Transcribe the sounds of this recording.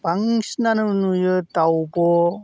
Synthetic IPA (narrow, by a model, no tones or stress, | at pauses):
b̥aŋɕinanɯnujɯt̪awbɔ